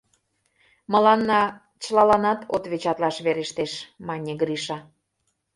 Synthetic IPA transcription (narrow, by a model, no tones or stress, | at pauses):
mə̆lɑnːɑ | t͡ɕlɑlɑnɑt̪ʰot̪βet͡ɕɑt̪lɑʃβeɾeʃt̪eʃmɑnʲeɡɾiʃɑ